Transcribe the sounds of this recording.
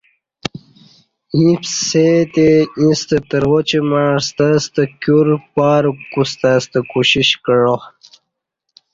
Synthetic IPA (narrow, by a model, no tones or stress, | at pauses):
ĩpset̪eĩst̪ət̪əɾʁot͡ɕimast̪ast̪əkjuɾpaːɾkust̪ast̪əkuɕiɕkəɻo